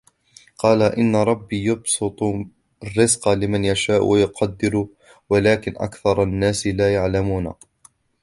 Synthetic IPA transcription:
qɑːlaʔɪnːaɾˤɑbːiːjɑbsɨt̪ˤ | rːɪzqɑlɪmanjaʃaːʔwʔajʊqʰɑd̪ːɪɾ | walaːkɪnʔa̰kθɑɾˤɑnːaːsɪlaːjaʕlamuːna̰

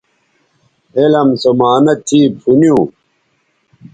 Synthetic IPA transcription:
elɐmsomaːnɐt̪ʰiːpʰunijũː

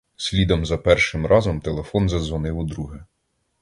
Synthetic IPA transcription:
sʲlʲid̪ɔmzɐpɛrʃɪmɾɑzɔmt̪elˠefɔnzɐzʋɔnɪwʊd̪ɾuɦɪ

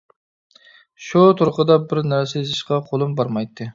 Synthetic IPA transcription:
ʃut̪ʰuɾqəd̪ɑbɪɾnæɾsɪzɨʃqʰɑqʰolˠɨmbɑɾmɑjt̪ʰːɨ

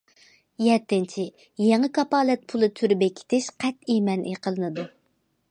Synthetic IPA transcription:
jɛt̪ːɪnt͡ʃʰi | jeŋɨkʰɑpɑːlɛt̪̚pʰulˠɨt̪ʰyɾbɛkʲʰːe̥t̪ʰɪʃqʰɛt̪imɛnʔḛqʰəlˠɨnɨd̪u

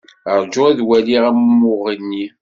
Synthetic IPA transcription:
əɾˤd͡ʒʊiðwæliʁæmːʊʁənːi

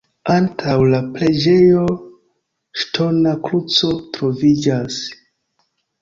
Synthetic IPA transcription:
antʰawlaple̞d͡ʒe̞jo̞ | ʃtʰo̞nakɾut͡so̞tɾo̞vid͡ʒas

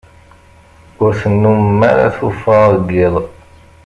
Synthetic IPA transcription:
ʊɾθənːummːaɾa̰θufɑɾˤɡɪðˤ

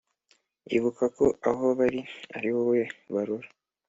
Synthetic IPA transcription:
ḭβukakoaɦo̞βaɾia̰ɾiwoweβaɾuɾa

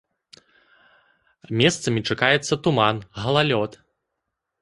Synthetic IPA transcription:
mʲɛst̪sɐmʲit͡ʂakajɛt̪sːɐt̪umanɣɐlˠalʲɔt̪

